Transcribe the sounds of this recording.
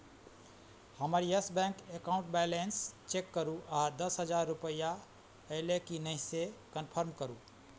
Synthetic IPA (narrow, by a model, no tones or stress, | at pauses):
həməɾjəsbɛ̃ŋkekaʊ̃ɳʈ̚bɛjlenst͡ʃekːəɾuad̪əsɦəd͡ʒaɾːupəja | əɪlekinəɪsekənpʰəɾmkəɾu